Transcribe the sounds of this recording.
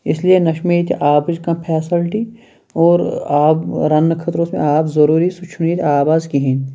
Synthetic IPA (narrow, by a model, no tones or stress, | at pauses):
ɪslienɐʃmeit̪ʰʔaːbd͡ʒkɐ̃pʰɛːsɪlʈi | ɔːɾaːɾɐnːəkʰɐt̪ɾõːsmḛ̃aːpzɐɾuːɾisʊt͡ʃʰʊniːt̪ʰaːbaːzkiɦẽː